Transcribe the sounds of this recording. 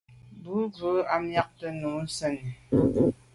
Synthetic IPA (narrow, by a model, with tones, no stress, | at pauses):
bu˨˦bu˨˦a˨mja˦k̚tə˦nu˨˦sɛ˦ni˨